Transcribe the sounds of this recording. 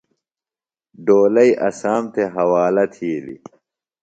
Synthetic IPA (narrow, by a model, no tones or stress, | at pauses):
ɖoːlɐjʔɐ̰saːmt̪ʰeɦɐwaːlɐt̪ʰiːlḭ